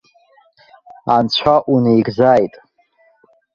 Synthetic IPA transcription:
ant͡ɕʷʰaʔunejɡzaːjtʼ

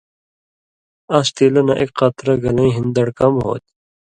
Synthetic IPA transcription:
ast̪iːlɐnɐʔekqɐt̪ɾɐɡɐlɐĩɦind̪ɐɽkɐmɦo̰ːt̪

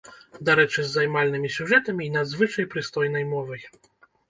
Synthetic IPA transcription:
d̪aɾɛt͡ʂɘzːajmalnɘmʲisʲuʐɛt̪ɛmʲinad̪zvɘt͡ʂajpɾɨst̪ɔjnɛjmɔvɛj

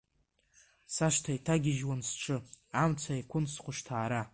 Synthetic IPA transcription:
saʂtʰaitʰaɡʲɪʒwansʈ͡ʂʰɨamt͡sʷʰaikʷʰʊnsqʷʊʂtʰaːɾa

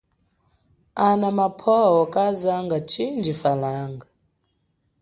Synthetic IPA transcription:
anamapʰɔwɔkʼazaŋɡat͡ʃʰind͡ʒifalaːŋɡa

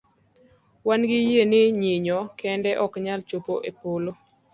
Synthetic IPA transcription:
wanɡɪjenɪɲiɲɔkʰɛndɛʔɔkɲalt͡ʃopoʔepolo

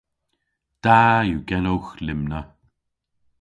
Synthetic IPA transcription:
d̪̥aːjuɡɛnowxlɪmnə

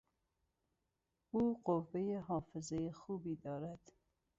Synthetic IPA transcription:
uːqovːejeɦɒːfezejexuːbiːd̪ɒːɾæd̪̥

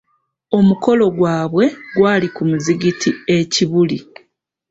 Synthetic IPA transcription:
o̞muko̞lo̞ɡwaːβwe̞ɡwaːlikumuziɡitʰie̞ciβuli

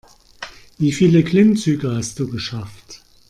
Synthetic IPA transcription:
viːfiːləkʰlɪmt͡syːɡəhast̚d̥uːɡəʃaft

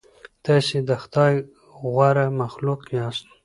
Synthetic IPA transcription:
t̪asid̪əxt̪ɑj | ɣwaɾamaxlukjɑst̪

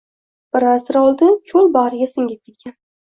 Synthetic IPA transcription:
b̥ɪɾasɪɾɒlˠd̪ɪt͡ʃʰolˠbaɾɪɡʲasɪŋɡʲɪt̪ʰːɪkʲʰːan

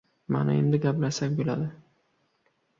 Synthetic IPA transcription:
ma̰naemd̪ɪɡʲaplasakʲbolad̪ɪ

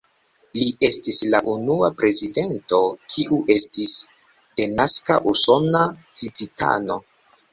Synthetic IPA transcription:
lie̞stislaʔunuapɾe̞zide̞nto̞kʰiʔuʔe̞stis | d̥e̞naska̰ʔuso̞nat͡sivitʰa̰no̞

